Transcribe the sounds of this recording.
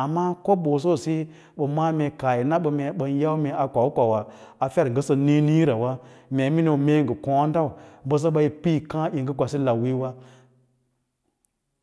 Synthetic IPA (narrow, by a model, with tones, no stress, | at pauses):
a˨mːa˦ko˦bo˨s̬o˦˨si˦ | ɓə˨ma˦mʲe˨ka˨ji˨na˦ɓə˨me˨ɓə˨n˦ja˦wme˨a˨kʷa˨wu˦kʷa˨wa˨ | a˨fa˦ɾŋ˨ɡə˦sə˧ni˦ni˦ɾa˨wa˦mʲe˨˦mi˦no˨me˦ŋɡə˨kõ˦n˦da˦u˨bə˦s̬ə˦ɓa˧ji˨pi˦kã˦ji˨ŋɡə˦ɡʷa˨si˦la˨wi˦wa˦